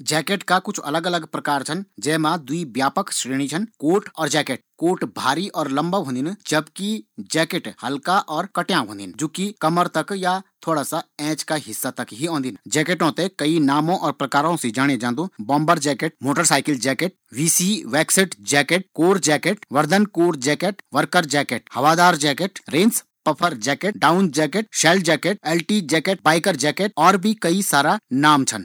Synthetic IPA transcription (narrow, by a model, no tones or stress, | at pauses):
d͡ʒɛːkeʈkakʊt͡ʃʰɐ̰ləɡələɡpɾɐkaːɾt͡ʃʰənd͡ʒɛːmãd̪uibjaːpəkʃɾeːɽ̃it͡ʃʰənkoːʈɔːɾd͡ʒɛːkeʈ̚koːʈbʱaːɾiʔɔːɾlɐ̃mbəɦõnd̪ind͡ʒəbkid͡ʒɛːkeʈhɐlkaʔɔːɾkɐʈjãːɦõːnd̪ind͡ʒoːkikɐməɾt̪ɐkjat̪ʰoːɽasaɛ̃ːt͡ʃkaɦɪsːat̪ɐkɦiõːnd̪ind͡ʒɛːkeʈõt̪ekɐinaːmõʔɔːɾpɾɐkaːɾõsed͡ʒaːɽ̃ed͡ʒãːnd̪õbɔ̃ːmbəɾd͡ʒɛːkeʈ̚moːʈəɾsaːɪkɪld͡ʒɛːkeʈ̚ | ʋiːsiʋɛːksɪʈd͡ʒɛːkeʈ̚koːɾd͡ʒɛːkeʈʋɐɾd̪ənkoːɾd͡ʒɛːkeʈʋəɾkəɾd͡ʒɛːkeʈ̚hɐʋaːd̪aːɾd͡ʒɛːkeʈɾẽːns | pɐpʰəɾd͡ʒɛːkeɖaːʊnd͡ʒɛːkeʈ̚ʃɛːld͡ʒɛːkeʈɛːlʈid͡ʒɛːkeʈ̚baːɪkəɾd͡ʒɛːkeʈ̚ɔːɾbʱikɐisaːɾanaːmt͡ʃʰən